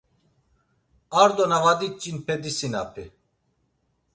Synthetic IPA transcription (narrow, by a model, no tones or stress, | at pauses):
aɾd̪ɔnavad̪it͡ʃʼinpʰɛd̪isina̰pʰi